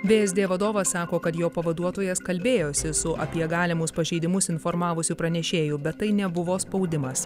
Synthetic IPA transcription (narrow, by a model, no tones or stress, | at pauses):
bʲeːɛzʲd̪ʲeːʋɐd̪oːʋɐsːɑːkoːkɐt̪joːpɐʋɐd̪uɔt̪oːjɛskɐlʲbʲeːjoːsʲɪsʊʔɐpʲiɛɡɑːlʲɪmʊspɐʒʲɛɪd̪ʲɪmʊsɪnfɔɾmɑːʋʊsʲuːpɾɐnʲɛʃʲeːjʊbʲɛt̪ːɐɪnʲɛbʊʋoːspɒʊd̪ʲɪmɐs